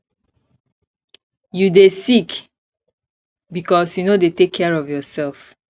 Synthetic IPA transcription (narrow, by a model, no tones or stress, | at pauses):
judesik | bikɔsjunodetekʰːɛɹɔfjɔsɛlf